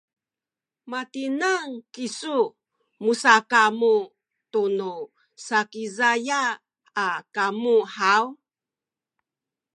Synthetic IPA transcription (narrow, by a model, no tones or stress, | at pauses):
matinaŋkisu | musakamu | tunu | sakizajaː | kamuħaw